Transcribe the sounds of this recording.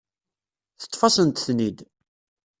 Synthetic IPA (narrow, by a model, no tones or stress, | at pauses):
θə̥t̪ˤːfɑsənt̪θnid̪